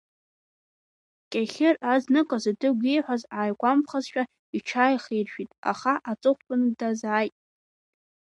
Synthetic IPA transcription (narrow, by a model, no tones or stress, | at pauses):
kʲʼaχʲɪraznɨkʷʼazadɨɡʲʷejħʷazaːjkʷampχazʃᶣa | iʈ͡ʂʰaːjχejrʃᶣitʼa̰χaʔat͡sʼɨχʷpʼʊndazaːjtʼ